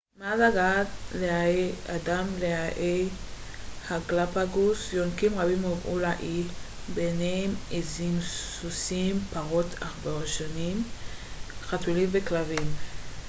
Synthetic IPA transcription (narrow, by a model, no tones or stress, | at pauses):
mazaɡatleaeadamleaʔej | haɡlapaɡusjonkimʁabimovʔṵlaʔi | beneemezimsusimpaʁo̞tʰaχbeʁoʃonim | χatulimveklavim